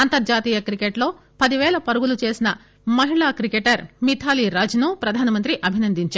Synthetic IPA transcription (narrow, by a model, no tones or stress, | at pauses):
ɐnt̪ɐɾd͡ʒaːt̪iːjɐkɾikeʈlo̞ː | pɐd̪iʋɛːɭɐpɐɾuɡulut͡ʃe̞ːsinɐ | mɐɦiɭaːkɾikeʈɐɾmit̪ʰaːliɾaːd͡ʒɐnupɾɐd̪ʱaːnɐmɐnt̪ɾiʔɐbʱinɐnd̪iɲt͡ʃaː